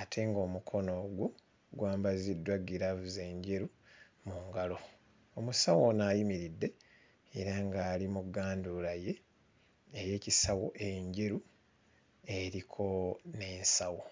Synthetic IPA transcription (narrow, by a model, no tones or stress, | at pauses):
atʰe̞ŋɡo̞ːmukʰo̞no̞ɡwo | ɡwaːmbazidːwaɡiɾavuze̞ːɲɟeɾu | muŋɡalo̞ | omusawonajimiɾidːe̞ | eɾaŋɡaːlimuɡaːndulaje̞ː | je̞ːcisawo̞ʔe̞ɲɟeɾu | e̞ɾikʰo̞ne̞ːnsawo̞